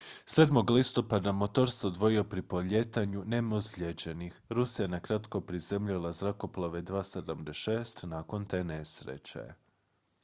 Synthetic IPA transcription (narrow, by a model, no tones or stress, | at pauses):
sed̪mo̞ɡlist̪o̞pad̪amo̞t̪o̞ɾseod̪ʋo̞jio̞pɾipoʎe̞t̪aɲunemozʎed͡ʑe̞nixɾusijanakɾat̪ko̞pɾizemʎulˠazɾako̞plˠaʋe̞d̪ʋaːsed̪amd̪eʃe̞ːst̪naːko̞nt̪e̞ːnesɾḛt͡ɕḛ